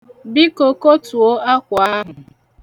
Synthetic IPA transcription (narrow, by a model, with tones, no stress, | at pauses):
bi˦ko˨ko˦tu˨o˦a˦kʷa˦ɦʊ˨